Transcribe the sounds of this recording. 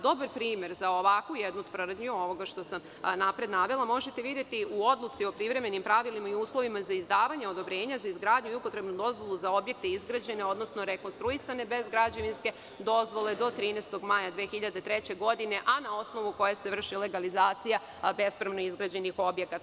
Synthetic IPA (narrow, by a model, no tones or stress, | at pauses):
d̪o̞baɾpɾiːmje̞ɾzaoʋakujed̪nut̪ʋr̩d̪ɲuo̞ʋo̞ɡaʃt̪o̞sam | napɾe̞d̪naʋelˠamo̞ʒet̪e̞ʋid̪je̞t̪iuod̪lˠut̪sio̞pɾiʋɾe̞me̞nimpɾaʋilimaiuːslˠo̞ʋimazaizd̪aːʋaɲeo̞d̪o̞bɾe̞ːɲazaizɡɾaːd̪ɲuiupo̞t̪ɾe̞bnud̪o̞zʋo̞lˠuzao̞bje̞k̚t̪e̞izɡɾad͡ʑe̞ne̞o̞d̪no̞snoɾeko̞nst̪ɾuisane̞be̞zɡɾad͡ʑaʋinske̞ | d̪o̞zʋo̞le̞d̪o̞t̪ɾiːnest̪o̞ɡmajad̪ʋeːxiʎad̪et̪ɾet͡ɕe̞ɡo̞d̪ine̞ʔanao̞sno̞ʋuko̞jaseʋr̩ʃile̞ɡalizaːt̪sija | be̞spɾamno̞izɡɾad͡ʑe̞nixo̞bjekat̪